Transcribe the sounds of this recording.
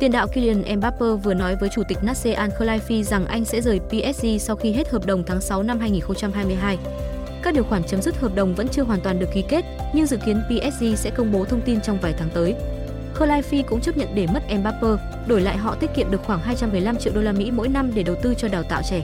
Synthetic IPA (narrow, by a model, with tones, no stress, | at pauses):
t̪i˧ənɗa̰ː˧˨wki˧li˧ə˧˩nʔɛ˧mɓaː˦˥pəː˧vɨ˨˩ənɔ˨˦jvəː˨˦jt͡ɕu˧˩t̪ï˨˩k̟̚naː˦˥t̚se˧ʔaː˧nxəː˧laː˧jfi˧za˨˩ŋʔa˧jŋ̟sɛ̰˧˥zəː˨˩jpi˧ʔɛ˦˥t̚ʔi˧sa˧wxi˧ɦe˦˥t̚həː˨˩p̚ɗə˨˩wŋ͡mt̪ʰaː˨˦ŋsa˨˦wna˧mɦaː˧jŋi˨˩nxə˧ŋ͡mt͡ɕa˧mɦaː˧jmɨ˧əjɦaː˧j | kaː˦˥k̚ɗi˨˩əwxwaː˧˩ŋt͡ɕə˨˦mzɨ˦˥t̚həː˨˩p̚ɗə˨˩wŋ͡mvə̰˧˥nt͡ɕɨ˧əɦwaː˨˩nt̪waː˨˩nɗɨ˨˩əkːi˨˦ke˦˥t̚ɲɨ˧ŋzɨ̰˧˨ki˨˦ənpi˧ʔɛ˦˥t̚zi˧sɛ̰˧˥kə˧wŋ͡mɓo˨˦t̪ʰə˧wŋ͡mt̪i˧nt͡ɕwŋ͡mvaː˨˩jt̪ʰaː˨˦ŋt̪əː˨˦j | xəː˧laː˧jfi˧kʊ̰˧˥ŋ͡mt͡ɕə˦˥p̚ɲə̰˧˨nɗe˧˩mə˦˥t̚ʔɛ˧mɓaː˦˥pəː˧ | ɗo˧˩jla̰ː˧˨jɦɔ̰˧˨t̪i˦˥t̚kḭ˧˨mɗɨ˨˩əkxwaː˧˩ŋɦaː˧jt͡ɕa˧mːɨ˨˩əjla˧mt͡ɕḭ˧˨wɗo˧laː˧mḭ˧˥mo̰˧˥jna˧mɗe˧˩ɗə˨˩wt̪ɨ˧t͡ɕɔ˧ɗaː˨˩wt̪a̰ː˧˨wt͡ɕɛ˧˩